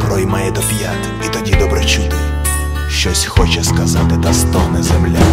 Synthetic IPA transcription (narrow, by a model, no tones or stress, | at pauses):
pɾɔjmajɛd̪ɔpʲjat̪ʲ | it̪ɔdʲid̪ɔbɾɛt͡ʃut̪ɪ | ʃt͡ʃɔsʲxɔt͡ʃɛskɐzɑt̪ɪt̪ɐst̪ɔɦnɛzemlʲa